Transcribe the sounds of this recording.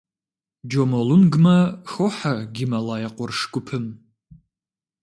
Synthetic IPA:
d͡ʒomolunɡmɐxoħaɡʲimɐlaːjɛqʷɔrʂkʷʼʊpʰɨm

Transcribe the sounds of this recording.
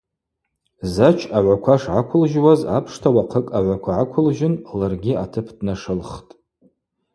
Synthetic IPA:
zat͡ʃʰaʕʷakʷʰaʂʕakʷʰʊlʒwaza̰pʰʂtʰawaqʰəkʼaʕʷakʷʰaʕakʷʰʊlʒɪnlarɡʲiatʰɨpʰdnaʂɨlχtʼ

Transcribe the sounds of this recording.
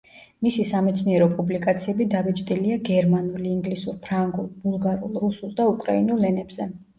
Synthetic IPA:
misisamɛt̪sʰniɛɾɔpʼublikʼat̪sʰiɛbid̪avɛt͡ʃʼd̪iliaɡɛɾmanuliːŋɡlisuɾpʰɾaŋɡulˠbulˠɡaɾulˠɾusulˠd̪aukʼɾa̰inulːɛnɛbz̥ɛ

